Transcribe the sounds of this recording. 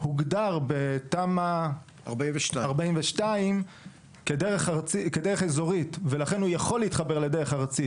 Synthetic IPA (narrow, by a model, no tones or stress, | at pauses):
huɡdaʁbet̪ama | aʁbaiveʃaaʁbaimveʃtaim | kedeʁeχaʁt͡siked̪eeχezo̞ʁitve̞laχe̞nhujaχo̞lːiit̪χabe̞ʁledeʁeχaʁt͡si